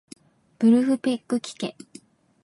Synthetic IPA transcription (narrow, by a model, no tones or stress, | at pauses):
b̥ɯ̟ɾɯ̟ɸɯ̟pekːɯ̟kʲi̥kḛ̃